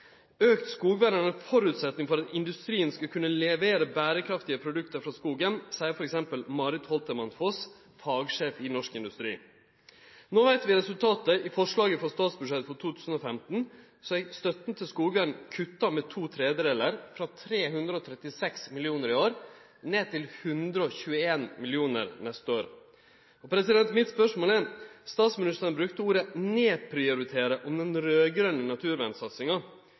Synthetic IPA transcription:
øːkt̪skuːɡʋæɾənəfɔɾʉːt̪sɛt̪nɪŋfɔɾɑt̪ɪnd̪ʉst̪ɾiːənskɑkʰʉnːəlɛʋeːɾəbæːɾəkʰɾɑft̪ɪəpʰɾʊd̪ʉkt̪əɾfɾɑskuːɡənsæɪfɔɾɛksɛmpəlmɑːɾɪt̪hɔlt̪əmɑnfɔs | fɑːɡʂeːfɪnɔʂkɪnd̪ʉst̪ɾḭː | noːʋæɪt̪ʋɪɾɛsʉlt̪ʰɑːt̪əʔɪfɔʂɭɑːɡəfɑst̪ɑːt̪sbʉʂɛt̪fɔʈtʰuːt̪ʰʉːsn̩oːfɛmt̪n̩ | sɔæst̪œt̪n̩t̪ʰɪlskuːɡʋæɳɳ̩kʰʉt̪ːɑmɛt̪ʰuːt̪ʰɾeːd̪əɾeːləɾfɾɑt̪ʰɾeːɦʉnd̪ɾəɔt̪ʰɾɛt̪ːɪsɛksmɪlɪuːnəɾɪoːɾ | neːt̪ʰɪlhʉnd̪ɾəɔçʉːəeːnmɪlɪuːnə̰ɾnɛst̪əoːɾ | ɔpʰɾɛsɪd̪ɛnt̪mɪt̪spœʂmoːlɛɾst̪ɑːt̪smɪnɪst̪əɾnbɾʉkt̪əuːɾəneːpʰɾɪʊɾɪt̪ʰeːɾəʔɔmd̪ɛnɾøːɡɾœnːənɑt̪ʰʉːɾʋænsɑt̪sɪŋɑ

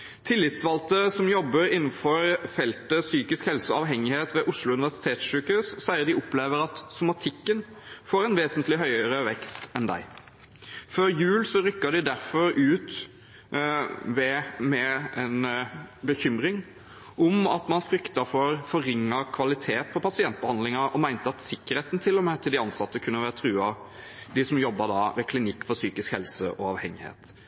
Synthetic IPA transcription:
t̪ʰɪlːɪt̪sʋɑlt̪əsɔmjɔbːəɾɪnːn̩fɔɾfɛlt̪əsyːkɪskhɛlsəɑʋɦɛŋːɪheːt̪ʋɛʔʊʂlʊʉnɪʋæsɪ̥t̪ʰeːt̪sʃʉːkhʉsːæɪəd̪ɪʊpleːʋəɾɑt̪sʊmɑt̪ʰɪkːən | foːɾɛnʋeːsənt̪lɪɦœʏəəɾəʋɛkst̪ɛnd̪æ̰ɪ | føːɾjʉːlsɔɾʏkːɑd̪ɪd̪æɾfɔɾʉːt̪ | ʋɛmɛɛnbəçʏmɾɪŋ | ɔmɑt̪mɑnfɾʏkt̪ɑfɔɾfɔɾɪŋːɑkʰʋɑlɪt̪ʰeːt̪̚pʰɔpʰɑsɪɛnt̪̚bəhɑnd̪lɪŋɑɾɔmæɪnt̪əɑt̪sɪkːəɾheːt̪nt̪ʰɪlːɔmeːt̪ʰɪld̪ɪɑnsɑt̪ːəkʰʉnːəʋæːɾət̪ʰɾʉːɑ | d̪ɪsɔmjɔbːɑd̪ɑʋɛkʰlɪnɪkːfɔɾsyːkɪskhɛlsəʔɔɑʋhɛŋːɪhḛːt̪

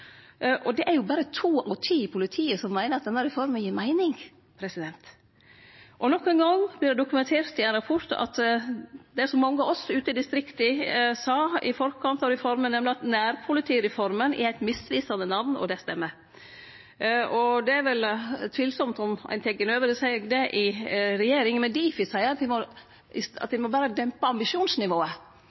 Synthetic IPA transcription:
ʔɔd̪ɛʔæɾjʊbɑːɾət̪ʰuːʔɔt̪ʰiːpʰʊlɪt̪ʰiːəsɔmːæɪnəɾɑt̪̚d̪ɛnːəɾɪfɔɾməjiːmæɪnɪŋ | pʰɾɛsɪd̪ɛnt̪ | ʔɔnɔkːənɡɑŋːblɪɖ̪ɛd̪ʊkʉmɛnt̪ʰeːɾt̪ɪæɪnɾɑpʰɔt̪ɑ̰t̪ | d̪ɛæsɔmːɑŋːəɑɔsʉːt̪əɪd̪ɪst̪ɾɪkt̪əsɑːɪfɔɾkʰɑnt̪ɑɾɛfɔɾmənɛmlɪɑt̪næːɾpʰʊlɪt̪ʰiːɾɛfɔɾmənʔɪ̰æɪt̪mɪsʋiːsɑnənɑʋnɔ̰d̪ɛst̪ɛmːəɾ | ɔd̪ɛæɾʋɛlt̪ʰʋiːlsɔmt̪ɔmæ̰ɪnt̪ʰɛɡːənøːʋəɾəsæɪɡd̪ɛʔɪɾɛjeːɾɪŋmɛd̪iːfɪsæɪəɾɑt̪d̪ɪmɔ | ɪɑ̰t̪d̪ɪmɔbæːɾəd̪ɛmpɑɑmbɪʂuːnsnɪʋoːə

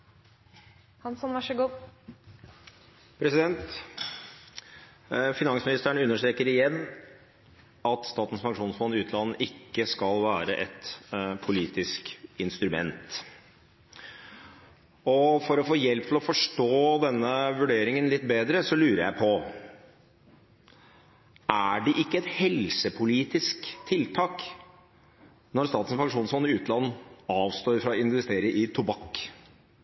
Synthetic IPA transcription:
hɑnsɔnʋɑʂəɡuːd̪ | pʰɾɛsɪd̪ɛnt̪ | fɪnɑŋsmɪnɪst̪æɳʉnːəʂʈ̪ɾeːkəɾɪjɛnː | ɑt̪st̪ɑːt̪n̩sfɑŋkʂuːnsfɔnːɪʉːt̪lɑnːəʔɪkːəskɑlʋæːɾəʔɛt̪pʰʊliːt̪ɪskɪnst̪ɾʉmɛ̰nt̪ | ɔfɔɾɔfoːjɛlp̚t̪ʰɪlɔfɔʂʈoːd̪ɛnːəʋʉɖeːɾɪŋənlɪt̪ːbeːd̪ɾəsɔlʉːɾəjæɪpʰɔ | ʔæɖɛʔɪkːəɛt̪hɛlsəpʰʊliːt̪ɪskt̪ʰɪlt̪ʰɑːk | nɔɾst̪ɑːt̪əsfɑŋʂuːnsɔnːɪʉːt̪lɑnːɑːʋst̪oːɾfɾɑɪnʋɛst̪eːɾəʔɪt̪ʰʊbɑk

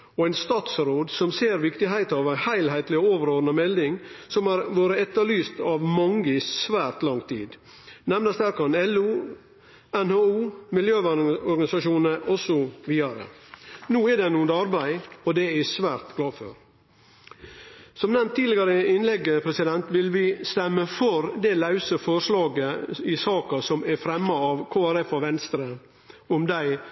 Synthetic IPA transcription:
ɔæɪnst̪ɑːt̪sɾoːd̪sɔmseːɾʋɪkt̪ɪɦæɪt̪ɑːʋæɪhæɪlhæɪt̪lɪɔoːʋəɾoːɾnəmɛld̪ɪŋsɔmæɾʋoːɾəɛt̪ːəlyːst̪ɑʋmɑŋəɪsʋæːɾt̪lɑŋt̪ʰḭːd̪ | nɛmnəsd̪æɾkɑnɛlʉː | ɛnhoːuːmɪljøːɔɾɡɑnɪsɑʂuːnəʔɔsːɔʋiːɑɾə̰nuːɛɖ̪ɛnuːənd̪ɑɾbæɪɔd̪ɛæsʋæːɾt̪ɡlɑːfø̰ɾ | sɔmnɛmt̪ʰːiːd̪lɪɡɑɾəɪnlɛɡːəpʰɾɛsɪd̪ɛnt̪ʋɪlʋɪst̪ɛmːəfɔɾd̪ɛlɑʉsəfɔɾʂlɑːɡəɪsɑːkɑsɔmæfɾɛmːɑɑʋkʰoːæɾɛfɔʋɛnst̪ɾə | ɔmd̪æɪ

